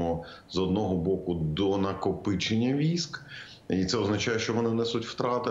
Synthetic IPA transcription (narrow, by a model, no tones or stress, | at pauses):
ɔ | zɔd̪nɔɦɔbɔkʊd̪ɔnɐkɔpɪt͡ʃenʲːɐʋʲisk | it̪sɛɔznɐt͡ʃɑjɛʃt͡ʃɔʋɔnɪnɛsʊtʲwt̪ɾɑt̪ɪ